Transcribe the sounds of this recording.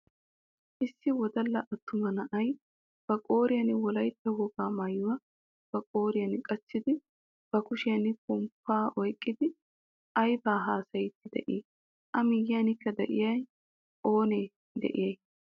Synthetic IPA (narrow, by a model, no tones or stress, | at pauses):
ʔɪsːɪwɔd̪ɐlːɐʔɐt̪ːʊmɐnɐʔɐj | b̥ɐkʼoːɾɪjɐnɪwɔlɐjt̪ːɐwɔɡaːmɐjːʊwɐ | b̥ɐkʼo̞ːɾɪjɐnɪkʼɐt͡sːɪd̪ɪ | b̥ɐkʊʃɪjɐnɪkʊmpːaːʔɔjkʼːɪd̪ɪ | ʔɐjbaːɦaːsɐjɪt̪ːɪd̪ɛ̰ʔiː | ʔɐmɪjɪjɐnɪkːɐd̪ɛʔɪjɐj | ʔoːneː | d̪ɛ̰ʔɪ̰jɐj